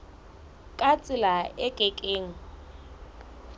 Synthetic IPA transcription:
kʼat͡sʼɪlaɛkʼɛkʼeːŋ̩

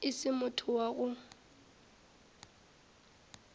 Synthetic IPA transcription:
ɪsɪmʊtʰʊwaɣʊ

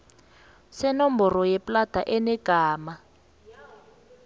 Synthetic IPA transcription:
sɛnɔmbɔrɔjɛpʼlad̥ʱaʔɛnɛɡ̥ʱaːma

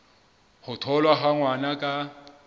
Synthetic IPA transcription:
hʊtʰɔlwaɦaŋwanakʼa

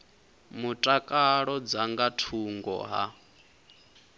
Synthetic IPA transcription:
mutʼakʼaɺɔd͡zaŋɡatʰuŋɡɔ̰ɦa̰

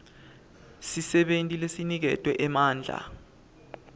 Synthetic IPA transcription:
sisɛɓentʼilesinik̬ɛtʼwɛʔɛmaːnd͡ɮʱa̰

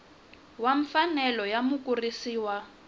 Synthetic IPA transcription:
waɱfanɛlɔjamukʼurisiːwa

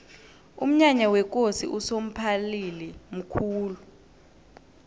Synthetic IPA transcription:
um̩ɲaɲawɛk̬ʼosḭʔusom̩pʰalilim̩kʰuːlu

